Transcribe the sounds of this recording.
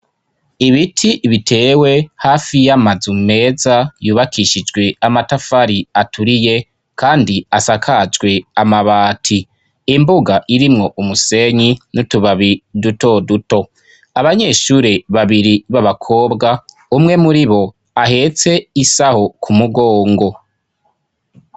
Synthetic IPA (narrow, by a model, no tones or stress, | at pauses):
iβitʰiʔβitʰe̞ːwe̞haːfijamazume̞ːzajuːβakʰiʃid͡ʒɡwe̞amatafaɾiatʰuɾije̞ | kaːndiasakʰad͡ʒɡwe̞amaβaːtʰiː | mbuɡaʔiɾimŋo̞ʔumuse̞ɲinutuβaβiduto̞duto̞ | aβaɲe̞ʃuːɾeβaβiɾiβaβakʰo̞ːbɡa | umŋe̞muɾiβo̞ | aɦe̞t͡se̞isaho̞kʰumuɡo̞ːŋɡo̞